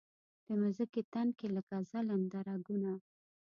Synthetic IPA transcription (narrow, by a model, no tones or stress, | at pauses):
d̪̥əmʊzəket̪ankeləkazalamd̪aɾaɡuna